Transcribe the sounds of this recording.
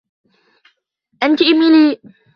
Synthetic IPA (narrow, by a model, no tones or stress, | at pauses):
ʔant̪iʔɪmiliː